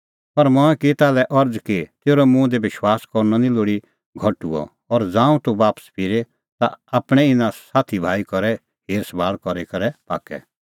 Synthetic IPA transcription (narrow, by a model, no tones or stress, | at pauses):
pɐɾmɔ̃ːɛ̃kit̪aːlɛʔɐɾd͡zkit̪eːɾɔmũd̪eʋɪʃwaːskɔɾnɔnĩloːɽi | ɡʱɐʈṵɔ̰ | ɔɾd͡zãːũt̪uʋaːpə̥spʰɪɾe | t̪a̰aːpɽ̃ɛɪnãsaːt̪ʰibʱaːikɔɾɛ | ɦeːɾsbaːɭkɔɾekɐɾɛpa̰ːkɛ̰